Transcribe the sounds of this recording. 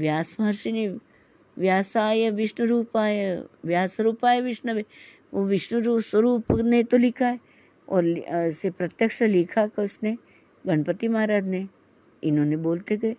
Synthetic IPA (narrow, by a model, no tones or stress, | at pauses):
ʋjaːsmaɾʃine | ʋjaːsaːjeʋɪʃnəɾuːpaːjeʋjaːsɾuːpaːjeʋɪʃnəbe | ʋoʋɪʃnəɾuːswɐɾuːpnet̪olɪkʰae | ɔ̰ːɾsepɾɐt̪jəkʂɐlɪkʰakeʊsne | ɡɐɳpət̪imɐaːɾaːd̪ne | ɪnɦõːneboːlt̪eɡɐe